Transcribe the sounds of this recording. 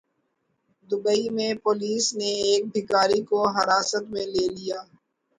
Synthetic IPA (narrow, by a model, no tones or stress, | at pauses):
d̪ʊbəimẽpoːliːsneeːk̚bʱɪkaːɾikoɦɐɾaːsət̪mẽleːlijaː